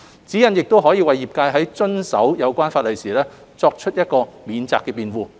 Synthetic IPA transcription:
t͡siː˨˥jɐ˨˩njɪ˨k̚t̪o˥wɦɔː˨˥jiː˧wɐ˨jːiː˨˩p̚kaː˧jɦɐ˨˥jt͡ʃɵ˥nsɐ̰˨˥wjɐ˨˧wkʷaː˥nfaː˧t̚lɐ˨jsiː˨˩lɛː˥ | t͡sɔː˧k̚t͡ʃʰɵ˥t̚jɐ˥t̚kɔː˧miː˨nt͡sa̰ː˧kːɛː˧piː˨nwuː˧

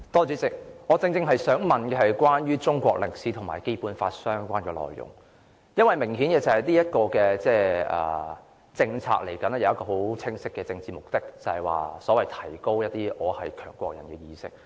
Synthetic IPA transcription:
t̪ɔː˥t͡ʃyː˨˥t͡sɪ˨k̚ŋɔː˨˧t͡sɪ˧ŋt͡sɪ˧ŋɦɐ˨jsœː˨˥ŋmɐ˨˩nkɛː˧hɐ˨jkʷwaː˥nɥyː˥t͡sʊ˥ŋkʷɔ̰ː˧k̚lɪ˨˩ŋ̚siː˨˥t̪ʰʊ˨˩ŋmaː˨jke˥jpuː˨˥nfa̰ː˧t̚sœː˥ŋkʷaː˥nkɛː˧lɔ̰ː˨jjʊ̰˨˩ŋ | jɐ˥nwɐ˨jmɪ˨˩ŋhiː˨˥nkɛː˧t͡sɐ˨˩hɐ˨jliː˥jɐ˥t̚kɔː˧kɛː˧t͡sɛː˥ɛ̰ː˨˩ | t͡sɪ˧ŋt͡sʰa̰ː˧k̚le˨˩jkɐ˨˥nɛ˥jɐ˨˧wɐ˥kɔː˧ɦo˨˥wt͡sʰɪ˥ŋsɪ˥kːɛː˧t͡sɪ˧ŋt͡siː˨mʊ˨k̚t̪ɪ˥k̚t͡sɐ˨hɐ˨jwa̰ː˨sɔː˨˥wɐ˨jt̪ʰɐ˨˩jko˥wjɐ˥t̚t̪iː˥ʔɔː˨˧hɐ˨jkʰœ̰ː˨˩ŋkʷɔ̰ː˧k̚jɐ˨˩nkɛː˧jiː˧sɪ̰˥k̚

